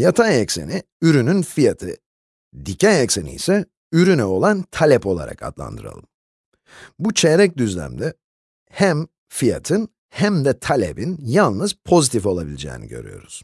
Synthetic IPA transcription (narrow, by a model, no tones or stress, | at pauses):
jat̪ʰaɛcse̞̰ni | yɾynynfijat̪ʰɯ̰ | d̪icʰanɛcsenḭjsɛ | yɾynɛo̞lˠant̪ʰalʲɛpo̞lˠa̰ɾa̰kʰa̰d̪lˠa̰nd̪ɯɾa̰lˠɯm | but͡ʃʰɛɾɛc̚d̪yzlʲæ̰md̪ɛ | hæm | fija̰t̪ʰɯn | hæmd̪ɛt̪ʰalʲḛbinjalˠnɯz̥pʰo̞zit̪ʰifo̞lˠabilʲid͡ʒɛ̰ːnḭɟø̞̰ɾy̰jo̞̰ɾuz̥